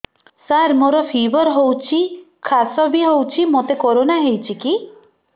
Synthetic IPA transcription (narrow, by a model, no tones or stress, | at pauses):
saɾmoɾɔpʰibɔɾɦowt͡ʃʰi | kʰasɔbiɦowt͡ʃʰimot̪ekoɾonaɦejt͡ʃʰiki